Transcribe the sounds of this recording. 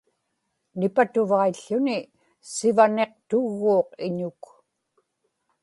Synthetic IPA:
nɪpat̪uvaiɬːʊnɪ | sɪvane̞q̚t̪ʊɣːoːqɪɲʊk

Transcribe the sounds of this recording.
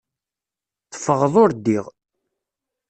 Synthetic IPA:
θə̥fːəʁðˤoɾd̪iʁ

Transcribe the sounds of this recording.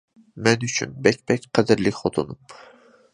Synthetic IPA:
mɛnyt͡ʃʰy̰nbɛkʲbɛkʲqʰæd̪ɨɾlɪkʲχot̪ʰonum

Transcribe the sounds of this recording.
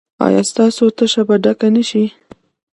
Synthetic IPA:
ɑ̰jɑ̰st̪ɑsot̪əʃabaɖakanəʃi

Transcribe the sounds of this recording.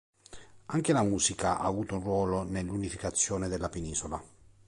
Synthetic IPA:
aŋk̟elamuːzikaʔa̰ːvuːt̪ounrwɔːlonelːunifikat̪sːjoːned̪elːapeniːzola

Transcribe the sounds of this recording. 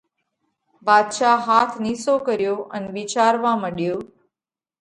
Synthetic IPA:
baːd̪ʃaːɦaːt̪ʰniːsoːkəɾjoːʔəneʋɪt͡ʃaːɾʋãːməɽjoː

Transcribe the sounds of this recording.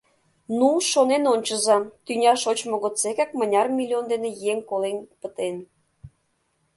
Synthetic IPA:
nuʃonenonʲt͡ɕə̆zɑt̪ynʲɑʃot͡ɕmŏɣot͡sekɑk̚mə̆nʲɑrmʲilʲiond̪enejeŋkolenpət̪en

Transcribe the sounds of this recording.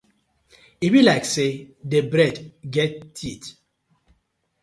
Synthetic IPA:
ibilaɪksedebɾɛdɡɛtːʰit

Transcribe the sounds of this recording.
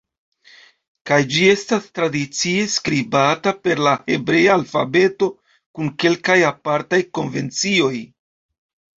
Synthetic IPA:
kajd͡ʒie̞stastɾadit͡sie̞skɾibatape̞ɾlahe̞bɾe̞jaːlfabe̞to̞ | kunke̞lkajapaɾtajko̞nve̞nt͡sio̞j

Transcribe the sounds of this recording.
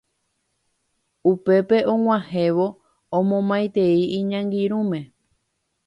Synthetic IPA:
upe̞pe̞ʔõw̃ãhe̞ʋo̞ | õmõmãjt̪e̞iiɲãŋɡiɾũmẽ̞

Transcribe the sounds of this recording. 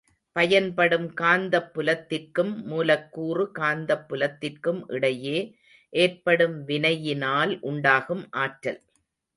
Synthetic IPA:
pɐjɐnpɐɽɯmkaːnd̪ɐpːɯlɐt̪ːɪrkɯmːuːlɐkːuːrɯkaːnd̪ɐpːɯlɐt̪ːɪrkɯmʔɪɽɐjeː | ʔeːrpɐɽɯmʋɪnɐjɪnaːlʔʊɳɖaːɣɯmʔaːʈɾɐ̰l

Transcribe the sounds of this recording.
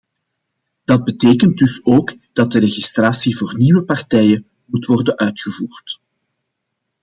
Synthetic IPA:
d̥ɑd̚bəteːkənt̚dʏsoːɡ | d̥ɑt̚dəɾeɣistraːsivoːrniwəpɑrtɛːjə | mutwɔrdənʔœɥtxəvuːrt

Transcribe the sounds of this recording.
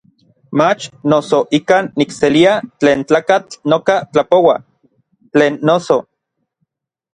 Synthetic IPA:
mat͡ʃnosoʔikaːnːikseliat͡ɬeːnt͡ɬaːkat͡ɬnokat͡ɬapowa | t͡ɬeːnːoso

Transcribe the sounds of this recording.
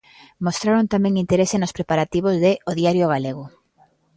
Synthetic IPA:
most̪ɾaɾont̪amɛ̃ŋint̪eɾesenospɾepaɾat̪iβ̞ozðeoðjaɾjoɣ̞aleɣ̞ʊ

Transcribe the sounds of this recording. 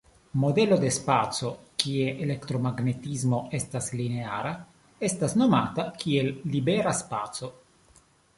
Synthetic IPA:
mo̞de̞lo̞de̞spat͡so̞kie̞ʔele̞kt̪ɾo̞maɡne̞tizmo̞e̞stasline̞aɾa | e̞stasno̞matakie̞lːibe̞ɾaspat͡so̞

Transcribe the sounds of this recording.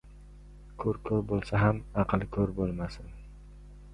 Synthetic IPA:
kʰɵɾkʰɵɾbolˠsaɦamɑqʰlˠkʰɵɾbolˠmasɪn

